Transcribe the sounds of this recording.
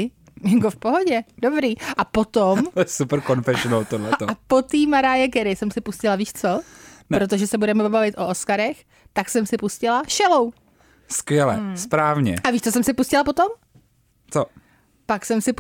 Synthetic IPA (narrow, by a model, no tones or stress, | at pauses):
jɪŋɡofpoɦoɟɛdobɾiːʔapot̪ommsupɾ̩konfɛʃonolt̪odlɛt̪oapo̞t̪iːmaɾaːjɛɡɛɾɪsɛmsɪpuscɪlaviːʃt͡so̞pɾot̪̬oʒɛsɛbudɛmɛobavɪt̪ʔo̞ʔoskaɾɛx | t̪aksɛmsɪpuscɪlaʃɛlow | skʋjɛlɛ̰spɾaːvɲɛ̰ʔaviːʃt͡sosɛmsɪpuscɪlapot̪o̞m | t͡so | paksɛmsɪp